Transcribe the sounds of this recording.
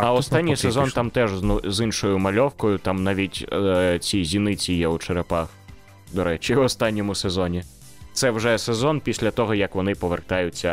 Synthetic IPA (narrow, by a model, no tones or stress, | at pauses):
ɐɔst̪anʲːijsezɔnt̪ɑmt̪ɛʒnuzɪnʃɔjʊmɐlʲɔwkɔjʊt̪ɑmnaʋʲitʲt͡sʲizʲinɪt͡sʲijɛut͡ʃeɾepɑx | d̪ɔɾɛt͡ʃiwɔst̪ɑnʲːɔmʊsezɔnʲi | t̪sɛwʒɛsezɔnpʲisʲlʲɐt̪ɔɦɔjɐkʋɔnɪpɔʋert̪ɑjʊt͡sʲːɐ